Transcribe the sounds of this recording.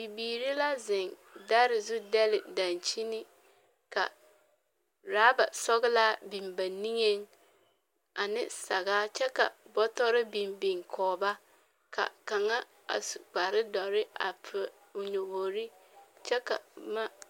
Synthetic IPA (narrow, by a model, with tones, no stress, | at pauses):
bi˨biː˨ɾi˦la˦zɪ˨n | da˦ɾɪ˨zu˦dɛ˦lɪ˨da˨nt͡ʃi˦ni˦ | ka̰˨ | ɾaː˨˦ba̰˨sɔ˦ɣɪ˦laː˦bi˨mba˨ni˦ŋe˦ŋ | a˨nɪ˦sa˨ɣaː˦t͡ʃɛ˦ka̰˨bɔ˦tɔ˦ɾɪ˦bi˨mbi˨ŋkʰɔː˨ba˦ | ka̰˨ka˨ŋa˦ | a̰˨su˨ɡ͡ba˨ɾɪ˦dɔ˨ɾɪ˦a̰˨pʰɪ˨ | ʊ˨ɲo˨bo˨ɾi˦t͡ʃɛ˦ka̰˨ma˦